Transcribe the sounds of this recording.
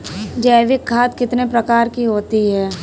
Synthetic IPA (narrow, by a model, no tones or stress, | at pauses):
d͡ʒəːʋɪkʰːaːt̪kɪt̪nepɾɐkaːɾkiɦoːt̪iɦɛː